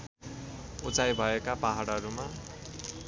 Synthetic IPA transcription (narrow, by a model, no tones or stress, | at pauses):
ut͡sajbʱʌekapaɦaɽʌɾuma